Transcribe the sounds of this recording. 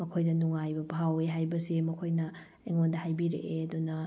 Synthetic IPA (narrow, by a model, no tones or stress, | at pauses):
mɐkʰojdɐnuŋajbɐbʱaweɦajbɐsimɐkʰojnɐ | eŋondɐɦajbiɾḛʔeɐd̪unɐ